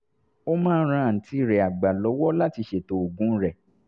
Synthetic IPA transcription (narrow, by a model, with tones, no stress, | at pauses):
o˦mãː˦˧n̩˦ɾ̃ã˧˨n̩˨ti˧˨ɾɛ˨a˨ɡ͡ba˨lɔ˨˦wɔ˦la˦ti˧ʃe˨to˨o˨ɡũ˨˦ɾɛ˦˨